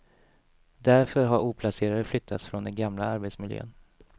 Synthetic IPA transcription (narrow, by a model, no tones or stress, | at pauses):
d̪æɾfœɾɦaɾuːpʰlaseːɾad̪əflʏt̪ʰːat̪sfɾɔnd̪ɛnɡamlaaɾbet̪smɪljø̰ːn